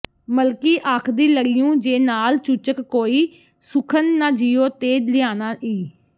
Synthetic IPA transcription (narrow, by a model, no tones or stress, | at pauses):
məlkiːʔaːkʰd̪iːləɾɪjũːd͡ʒeːnaːlt͡ʃut͡ʃəkːoːiː | sʊkʰənːãːd͡ʒiːoːt̪eːd͡ʒlɪjaːnaːʔiː